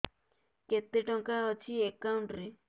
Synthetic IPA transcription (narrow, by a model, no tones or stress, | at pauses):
ket̪ːeʈɔŋkaɔt͡ʃʰiekːauɳʈɾi